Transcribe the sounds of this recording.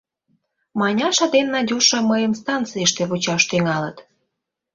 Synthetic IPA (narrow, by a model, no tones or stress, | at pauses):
mɑnʲɑʃɑd̪enːɑd̪ʲuʃɑməjəmst̪ɑnt͡sɨjəʃt̪eβut͡ɕɑʃt̪yŋɑlət̪